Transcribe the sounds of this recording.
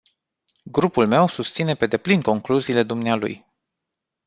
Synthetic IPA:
ɡɾupulme̞wsust̪sine̞pe̞d̪e̞plinko̞ŋkluziːle̞d̪umnealṵj

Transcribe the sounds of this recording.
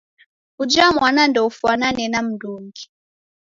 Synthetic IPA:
ud͡ʒamwanandɔufuananɛnam̩duŋɡi

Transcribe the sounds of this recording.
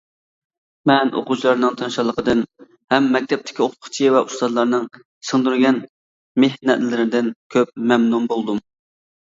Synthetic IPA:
mɛnʔo̰qut͡ʃʰlˠɑɾnɨŋt̪ʰɨnʃɑlˠəqəd̪ɨn | hɛmːɛk̚ʲt̪ʰɛp̚t̪ʰɪ̥kʲioqt̪ʰχt͡ʃʰivɛʔust̪ɑd̪lˠɑɾnɨŋ | sɨŋd̪uɾɡʲɛn | mehnɛt̪lɪɾɪd̪ɪnkʲʰøp̚mɛmnumbolˠd̪um

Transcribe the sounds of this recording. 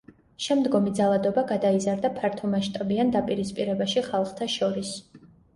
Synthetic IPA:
ʃɛmd̪ɡɔmid̪zalˠad̪ɔbaɡad̪aizaɾd̪apʰaɾt̪ʰɔmaʃt̪ʼabiand̪apʼiɾispʼiɾɛbaʃiχalˠχt̪ʰaʃɔɾis

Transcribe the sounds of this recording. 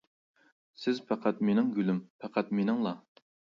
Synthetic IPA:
sɪzpʰæqʰæt̪̚menɪŋɡʲylympʰæqʰæt̪menɪŋlˠɑ

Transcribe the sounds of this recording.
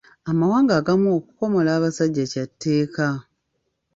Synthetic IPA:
amawaːŋɡaːɡamuokuko̞mo̞laːβasaɟːacatʰːe̞ːka

